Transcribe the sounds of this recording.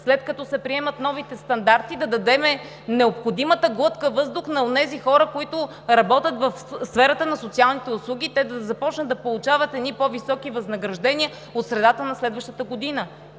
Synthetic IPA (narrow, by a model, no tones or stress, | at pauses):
slɛt̪̚kɐt̪ɔsɛpɾiɛmɐt̪nɔvit̪ɛst̪ɐnd̪aɾt̪id̪ɐd̪ɐd̪ɛmɛ | nɛopxod̪imət̪əɡlˠɤt̪kəvɤzd̪ʊxnɐonɛzixɔɾəkoit̪ʊ | ɾɐbɔt̪ʲət̪vɐfsfɛɾɐt̪ənɐsot̪sialˠnit̪ɛʊslˠuɡʲit̪ɛd̪ɐzɐpɔt͡ʃnəd̪ɐpolˠut͡ʃavɐt̪ɛd̪nipɔvisɔkivɐznɐɡɾɐʒd̪ɛniə | ot̪sɾɛd̪at̪ənɐslɛd̪vəʃt̪ət̪əɡod̪inə